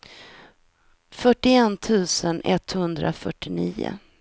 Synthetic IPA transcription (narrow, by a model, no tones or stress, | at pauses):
fœʈːɪɛnt̪ʰʉ̟ːsənɛt̪ːhɵnd̪ɾʔa̰fœʈːɪniːʊ̰